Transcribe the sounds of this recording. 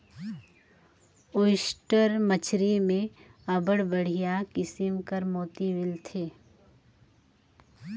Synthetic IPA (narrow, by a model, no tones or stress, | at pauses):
oːɪʃʈəɾmət͡ʃʰɾimẽəbəɽbəɽ̤ijakɪsimkəɾmoːt̪iʋɪlt̪ʰeː